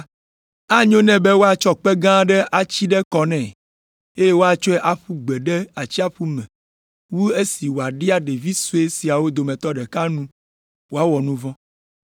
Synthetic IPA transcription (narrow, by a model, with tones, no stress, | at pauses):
a˦ɲõ˦nɛ̃˨bɛ˦wo˦a˨t͡ʃɔ˦k͡pɛ˦ɡã˦ɖɛ˦ʔa˨t͡ɕi˦ɖɛ˦kɔ˦nɛ̃˨ | e˦je˦wo˦a˨t͡ʃɔ˦ɛ˦ʔa˨ɸu˦ɡ͡bɛ˨ɖɛ˦a˨t͡ɕi˦a˦ɸu˦mɛ̃˨ | wu˦e˦si˨wo˨a˨ɖi˦a˦ɖe˨vi˦su˦e˦si˨a˨wo˦d̪o˨mɛ̃˨t̪ɔ˦ɖɛ˨ka˦nũ˦ | wo˦a˦wɔ˨nũ˦vɔ̃˦